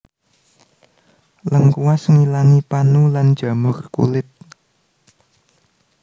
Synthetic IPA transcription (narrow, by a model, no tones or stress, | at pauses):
ləŋkuwasŋilaŋipanulan̥d͡ʒ̥a̤mʊrkṵlɪt̪̚